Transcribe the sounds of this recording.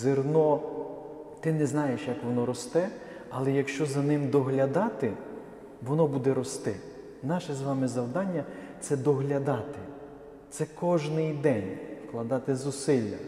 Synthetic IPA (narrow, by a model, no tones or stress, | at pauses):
zɪrnɔ | t̪ɪnɛznɑjeʃjɐkʋɔnɔɾɔst̪ɛ | ɐlˠɛjɐkʃt͡ʃɔzɐnɪmd̪ɔɦlʲɐd̪ɑt̪ɪ | ʋɔnɔbud̪ɛɾɔst̪ɪ | nɑʃɛzʋɑmɪzɐwd̪ɑnʲːɐt̪sɛd̪ɔɦlʲɐd̪ɑt̪ɪ | t̪sɛkɔʒnɪjd̪ɛnʲfklˠɐd̪ɑt̪ɪzʊsɪlʲːɐ̰